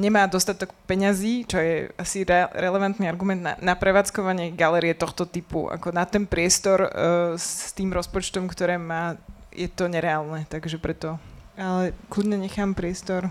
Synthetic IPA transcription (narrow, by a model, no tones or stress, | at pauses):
ɲɛmaːd̪ɔst̪at̪ɔkpɛɲaziːt͡ʃɔjɛ̰asiɾɛɾɛlɛʋant̪niaɾɡumɛnd̪na̰napɾɛʋaːt͡skɔʋaɲɪɛɡalɛːɾiɛt̪ɔxt̪ɔt̪ipṵʔa̰kɔnat̪ɛnpɾɪɛst̪ɔɾst̪iːmɾɔspɔt͡ʃt̪ɔmkt̪ɔɾɛːmaː | jɛt̪ɔɲɛɾɛaːlˠnɛt̪aɡʒɛpɾɛt̪ɔalɛkludɲɛɲɛxaːmpɾɪɛst̪ɔɾ